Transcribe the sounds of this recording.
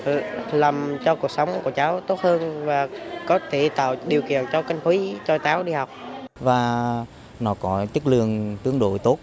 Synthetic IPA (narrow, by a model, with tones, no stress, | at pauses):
laː˨˩mt͡ɕɔ˧ku˨˩ək̚sə˨˦wŋ͡mku˧˩ət͡ɕaː˨˦wt̪o˦˥t̚həː˧nvaː˨˩kɔ˨˦t̪ʰe˧˩t̪a̰ː˧˨wɗi˨˩əwkḭ˧˨ənt͡ɕɔ˧ka˧ŋ̟t̪ʰwi˨˦t͡ɕɔ˧t͡ɕaː˨˦wɗi˧ha˨˩wk͡p̚vaː˨˩ | nɔ˨˦kɔ˨˦t͡ɕɨ˦˥k̚lɨ˧əŋt̪ɨ˨˦əŋɗo̰˧˨jt̪o˦˥t̚